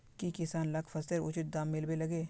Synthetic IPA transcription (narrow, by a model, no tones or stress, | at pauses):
kikɪsaːnlɐkʰpʰɐsəɾʊ̰t͡ʃɪt̪̚d̪aːmːɪlbelɐɡeː